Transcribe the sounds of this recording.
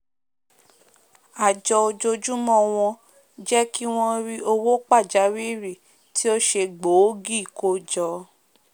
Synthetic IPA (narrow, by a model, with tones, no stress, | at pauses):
a˨d͡ʒɔ˧o˧d͡ʒo˧d͡ʒu˦mɔ̃˦˨w̃ɔ̃˧ | d͡ʒɛ˦ki˦w̃ɔ̃˦ɾi˦o˧wo˦k͡pa˦˨d͡ʒa˨˦wi˦ɾi˦˨ | ti˦o˦ʃe˧ɡ͡bo˨˦ɡi˦˨ko˦d͡ʒɔ˧˦